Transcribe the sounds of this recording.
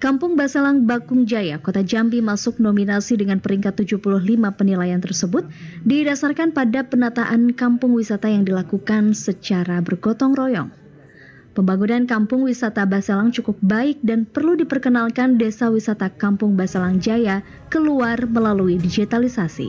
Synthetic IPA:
kampʊŋbaselaŋbaɡʊŋd͡ʒajakot̪ad͡ʒambimasʊk̚nominasidəŋanpəɾiŋkat̪ːud͡ʒupulʊɦlimapənilajant̪ərsəbʊt̪̚didasarkanpadapənat̪aʔankampʊŋwisat̪ajaŋdilakukansət͡ʃaɾabərɡɔt̪ɔŋrɔjɔ̰ŋ | pəmbaɡunankampʊŋwisat̪abaselaŋt͡ʃukʊp̚baɪk̚danpərludipərkənalkandesawisat̪akampʊŋbasalaŋd͡ʒaja | kəluarməlaluidid͡ʒit̪alisasḭ

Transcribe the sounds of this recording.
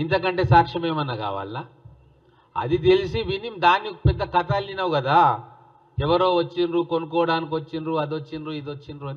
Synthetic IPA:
int̪ɐkɐɳʈe̞ːsaːkʂɐme̞ːmɐnːɐka̰ːʋa̰ːlinaː | ɐ̰d̪it̪elisiʋinimd̪aːnːikːɐpɛd̪ːɐkɐt̪aːlːinɐʋuɡɐd̪aː | ɛʋɐɾo̞ːʋɐt͡ʃːinɾuːkonukɔːʋɐɽaːnik̬ʲiʋɐt͡ʃːinɾuːɐd̪ot͡ʃːinɾuːid̪ot͡ʃːinɾuɐi

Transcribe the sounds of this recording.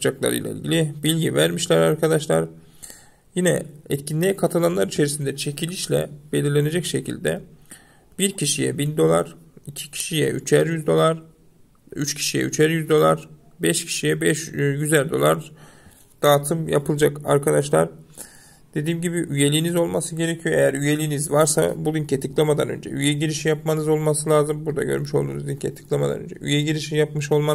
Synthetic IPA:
d͡ʒaklˠa̰ɾɯ̰lʲa̰ḭlʲɟʲilʲibilʲɟivæɾmiʃlʲæɾaɾkʰad̪aʃlˠa̰ɾ | jinɛ̰ɛt̪cʰinlʲijɛkʰat̪ʰalˠanlˠaɾit͡ʃʰe̞ɾisind̪ɛt͡ʃʰe̞cʰilʲiʃlʲɛ̰b̥e̞lʲiɾlʲene̞d͡ʒɛcʃe̞cʰḭlʲd̪ɛ | b̥iɾcʰiʃijɛ̰bind̪o̞lˠa̰ɾ̥icʰi̥cʰi̥ʃijɛ̰ʔyt͡ʃʰæɾjyzd̪o̞lˠaɾ | yt͡ʃcʰi̥ʃijɛ̰yt͡ʃʰæɾjyzd̪o̞lˠaɾ̥ | bɛʃcʰi̥ʃijɛbɛʃɟyzæld̪o̞̰lˠa̰ɾ | d̪̥aːt̪ʰɯmja̰pʰɯlˠd͡ʒaka̰ɾkʰad̪aʃlˠa̰ɾ | d̪̥e̞d̪iːmɟibiʔyje̞lʲijːnizo̞lˠmasɯɟe̞ɾecʰijo̞ejæɾyje̞lʲijːnizvaɾsa̰bulˠiɲcet̪ʰɯklˠamad̪anø̞̰nd͡ʒɛ̰ʔyjɛɟiɾiʃijapmanɯzo̞lˠmasɯlʲˠaːzɯmbuɾd̪a̰ɟø̞̰ɾmyʃo̞lˠd̪uːnuzincʰɛt̪ʰɯ̥klˠamad̪a̰ø̰nd͡ʒɛ̰ʔy̰jɛɟiɾiʃijapmɯʃo̞lˠma

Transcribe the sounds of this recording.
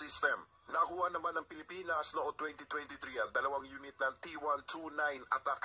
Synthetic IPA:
ɪst̪ɛm | nɐkuhanɐmanːɐŋpɪlɪpiːnɐsnoʔont̪wɛnt̪it̪wɛnt̪ɪt̪ɾiɐnd̪ɐlɐwaŋjuːnɪt̪̚nɐŋt̪iwant̪ʰunajnɐt̪ɐk

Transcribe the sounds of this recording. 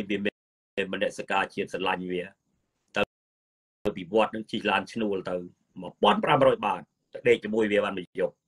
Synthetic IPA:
jʋiəmi | inmɔnːɛ̆əʔsəkaːt͡ɕiət̪̚sɑnlaɲʋiə | t̪ɨ | t̪ɨwpiʋŏət̪̚nɨŋt͡ɕʰihlaːnt͡ɕʰnuəlt̪ɨw | mə̆əpŏənpramrɔːjɓaːn̚ | t̪əɗeːk̚t͡ɕəmuəjʋiəɓaːnməjjoh̚

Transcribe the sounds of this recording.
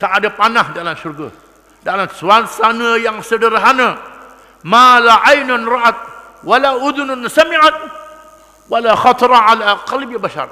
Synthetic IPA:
t̪aʔːdapanahdalamʃurɡa̰ | dalamsuasanəjaŋsədəɾaɦana | malaʕajnanɾɑʔat̪̚ | walaʔud̪ʊnansamiʕat̪̚ | walaxɑt̪ɾʕalaqalbibaʃa̰r

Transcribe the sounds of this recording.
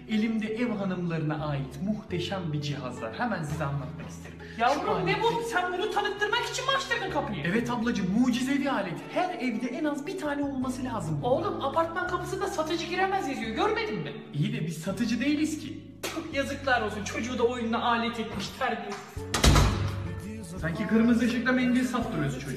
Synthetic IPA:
e̞lʲimd̪ɛʔɛvɦanɯmlˠaɾɯnaʔaːjit̪muht̪ʰe̞ʃæmbid͡ʒiɦa̰zlˠa̰ɾ̥hɛmænsizɛanːˠat̪makʰist̪ʰe̞ɾimjauanebusænbunut̪ʰanɯk̚t̪ʰːɯɾmaki̥t͡ʃʰinbat͡ʃt̪ˠaɾɯnkʰapnˠijɛvɛt̪ablˠad͡ʒɯmːuːd͡ʒizɛbiaːlʲet̪ʰhæɾɛvd̪ɛʔɛnazbit̪ʰaːnɛo̞lˠmasɯlʲaːzɯmolˠumapʰaɾt̪maŋkʰapʰɯsɯnd̪asat̪ʰɯd͡ʒɯɟiɾemæzjazijo̞ɟø̞ɾme̞d̪imb̪ɛ | ijid̪ɛbizsat̪ʰɯd͡ʒɯd̪e̞jilʲiscʰɪ̰ | t͡ʃʰokʰjazɯklˠaɾolˠsunt͡ʃʰo̞d͡ʒuːd̪aojund̪aaːlʲɛt̪ʰɛt̪miʃt̪ʰæɾbis | saɲcʰikʰɯɾmɯzd̪aʃiklʲemejimbiɾsat̪̚d̪uɾojoɾuzt͡ʃʰo̞d͡ʒu

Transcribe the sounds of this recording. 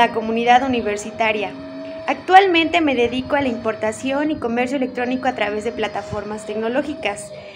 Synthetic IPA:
ako̞mũniðaðuniβe̞ɾsit̪aɾjaː | kt̪walmẽnt̪e̞me̞ðe̞ðiko̞alaimpo̞ɾt̪asjo̞niko̞me̞ɾsjoele̞k̚t̪ɾo̞nikoat̪ɾaβ̞e̞zðe̞plat̪afo̞ɾmast̪e̞kno̞lo̞xikas

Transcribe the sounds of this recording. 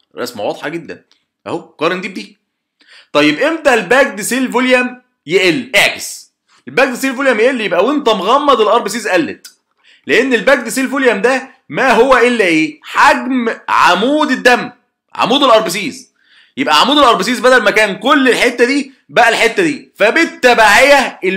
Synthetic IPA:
ɾˤɑ̰smæ̰wɑd̪ˤħɑɡed̪ːæ̰n | ʔæ̰hokɑːɾˤend̪iːb̚d̪iː | t̪ˤɑjːebʔemd̪æʔelbæːɡ̚d̪siːlvoljæm | jeʔelːʔeʕɡes | elbæːɡ̚d̪siːlfoljæmjeʔelːjebʔæwent̪æmoɣæmːɑd̪elʔɑɾˤbes̬iːzʔælːet̪ | leʔenːelbæːɡ̚d̪siːlfoljæmd̪æ | mæɦowːæʔelːæʔeːħaɡmʕa̰muːd̪ed̪ːæm | ʕa̰muːd̪elʔɑɾˤbesiːz | jebʔæʕamuːd̪elʔɑɾˤbɪs̬iːzbæd̪ælmækæːnkolːelħet̪ːæd̪iː | bæʔælħet̪ːæd̪iːfæbet̪ːæbaʕejæe

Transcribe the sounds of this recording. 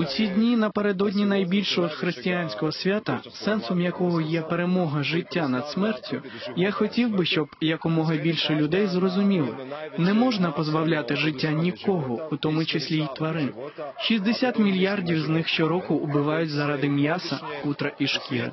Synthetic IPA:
ʊt͡sʲidʲnʲinɐpe̞ɾed̪ɔdʲnʲinɐjbʲilʲʃɛɔd̪xɾɪsʲtʲɪjanʲsʲkɔɦɔsʲʋʲat̪ɐsɛnsɔmjɐkɔɦɔjɛpeɾemɔɦɐʒɪtʲːanɐd̪̥smɛrtʲʊ | jaxɔtʲiwbɪʃt͡ʃɔbjɐkɔmɔɦɐbʲilʲʃɛlʲʊd̪ɛjzrɔzʊmʲilˠɐ̰nɛmɔʒnɐpɔzbɐwlʲat̪ɪʒɪtʲːanʲikɔɦɔʊt̪ɔmʊt͡ʃesʲlʲijt̪ʋɐɾɪʃizd̪esʲat̪mʲilʲjardʲiwznɪxʃt͡ʃɔɾɔkʊʊbɪʋɑjʊtʲzɐɾɑd̪ɪmjasɐkut̪ɾɐʔiʃkʲiɾɪ̰

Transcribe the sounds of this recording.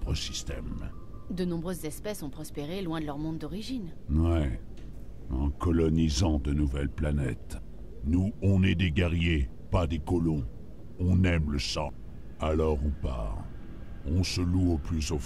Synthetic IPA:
pχəsi̥st̪ɛmd̪ənɔ̃bʁøzːɛspɛsɔ̃pχɔspeʁelwɛ̃d̪əlœʁmɔ̃d̪d̪ɔʁiʒinwɛ | ɑ̰̃kɔlɔnizɑ̃d̪ənuvɛlplanɛt̪ | nuɔ̃nɛd̪eɡʲɛʁje | pad̪ekɔlɔ̃ | ɔ̃nɛmləsɑ̃ | alɔʁupa̰ | ɔ̃səluoplyzof

